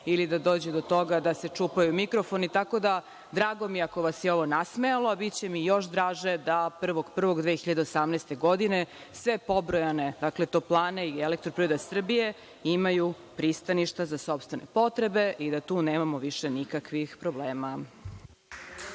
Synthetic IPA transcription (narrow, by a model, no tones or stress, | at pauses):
ilid̪ad̪oːd͡ʑɛd̪o̞t̪o̞ɡad̪ase̞t͡ʂuːpajumikɾo̞fo̞nit̪ako̞d̪a | d̪ɾaːɡo̞miako̞ʋasjeo̞ʋo̞nasmealoabit̪t͡ɕe̞mijo̞ʃd̪ɾaːʒed̪apr̩ʋo̞ɡpr̩ʋo̞ɡd̪ʋexiʎad̪eosamnɛːst̪e̞ɡo̞d̪ine̞ | sʋe̞po̞bɾojane̞d̪aklet̪oːplˠaːneielek̚t̪ɾopɾiɾod̪asr̩bije̞ | imaju | pɾist̪aniʃt̪azasopst̪ʋe̞nḛpo̞t̪ɾe̞be̞ʔid̪at̪uːneːmamo̞ʋiʃe̞nikakʋixpɾo̞bleːma